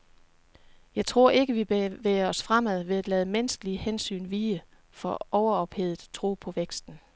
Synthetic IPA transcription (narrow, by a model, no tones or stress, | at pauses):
jɑ̈ɪt͡sʰʁo̝ɐ̰ʔe̝ɡ̥əʋibʋeɐɒ̽sfʁamæð̞̰ˠʋe̝æd̥lɛːð̞ˠəmensɡ̥əliəhensy̰ːnʋiːə | fɒʔɒʊɐɒ̽b̥he̝ð̞̩ˠt͡sʰʁo̰ːpʰɒ̽ʋeɡ̥sd̥n̩